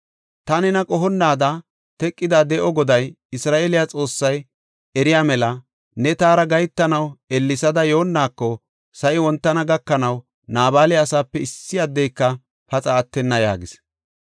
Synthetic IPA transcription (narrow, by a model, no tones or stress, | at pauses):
t̪ɐnɛnɐkʼɔɦɔnːaːd̪ɐ | t̪ɛkʼːɪd̪ad̪ɛʔɔɡɔd̪ɐj | ɪsɾaːʔeːlɪjat͡sʼo̞ːsːɐj | ɛɾɪjaːmɛlɐ | nɛt̪aːɾɐɡɐjt̪ːɐnɐwɛlːɪsɐd̪ɐjoːnːaːkːɔ | sɐʔɪwɔnt̪ːɐnɐɡɐkːɐnɐw | naːbaːlɪɐsaːpːɛɪsːɪjaːd̪ːɛjkːɐ | pɐt͡sʼɐːt̪ːɛnːɐja̰ːɡɪs